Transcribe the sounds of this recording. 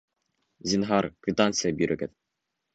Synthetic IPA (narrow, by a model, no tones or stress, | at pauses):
zʲinɦɑɾkvʲit̪ant̪sɨjabʲyɾʔɘ̆ɡɘt̪